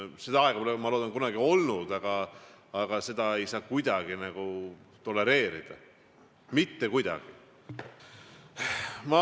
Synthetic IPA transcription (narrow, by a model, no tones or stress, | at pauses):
sed̪ɑɑeɡ̥ɑpolemɑloːd̪ɑŋkunɑɡ̥io̞lnud̪̥ɑɡ̥ɑː | ɡ̥ɑse̞d̪ɑe̞jsɑːkujd̪ɑɡ̥inæɡ̥u | t̪o̞le̞ɾe̞ːɾid̪̥ɑ̰ | mit̪ːekujd̪ɑ̰ɡ̥i | mɑ